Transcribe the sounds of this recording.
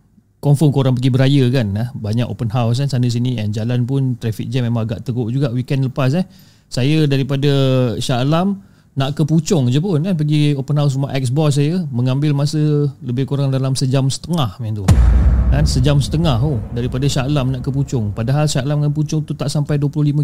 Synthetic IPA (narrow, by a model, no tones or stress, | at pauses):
kɔmfɔmkoɾaŋp̬əɡibəɾajəkanahbaɲako̰pənɦaws̬kansanəs̬iniʔɛnd͡ʒalanpʊnt̪ɾɛfḭk̚d͡ʒɛmemãŋaɡa̰ʔt̪əɡoʔd͡ʒuɡaʔwikɛnləpas̬ah | sajədaɾipadaʃalam | naʔkəput͡ʃʊŋd͡ʒəpʊnkanpəɡiopənɦaws̬rumaʔɛk̚s̬bɔs̬ːajəməŋambɪlmasələbɪhkoɾaŋdalamsəd͡ʒamsə̥t̪əŋahmɛnt̪ukansəd͡ʒamsə̥t̪əŋaɦodaɾipadaʃalamnaʔkəput͡ʃʊŋpadaɦalʃalamkanput͡ʃʊŋt̪ut̪aʔsampajduəplʊhlimə̃